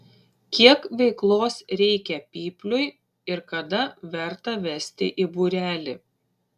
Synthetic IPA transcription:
kʲiɛkʋʲɛɪklˠoːsɾʲɛɪkʲɛpʲiːpʲlʲʊɪ | ɪɾkɐd̪ɐʋʲɛɾt̪ɐʋʲɛsʲt̪ʲɪ̰ʔibuːɾʲæːlʲɪ

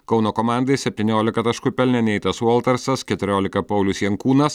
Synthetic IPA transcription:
kɒʊnoːkoːmɑˑnd̪ɐɪsʲɛpʲt̪ʲiːnʲoːlʲɪkɐt̪ɐʃkʊpʲɛlʲnʲɛnʲɛɪt̪ɐsɔlˠt̪ɐɾsɐskʲɛt̪ʊɾʲoːlʲɪkɐpɐʊlʲʊsjɛŋkuːnɐs

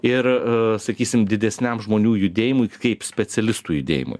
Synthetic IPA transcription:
ɪɾsɐkʲiːsʲɪmd̪ʲɪd̪ʲɛsʲnʲɛmʒmoːnʲuːjʊd̪ʲeːjɪmʊjkɐɪpsʲpʲɛt͡s̪ʲɛlʲɪst̪uːjʊd̪ʲḛːjɪ̰mʊ̰j

